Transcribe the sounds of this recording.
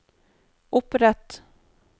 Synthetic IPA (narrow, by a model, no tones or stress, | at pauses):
ʔɵpːɾɛt̪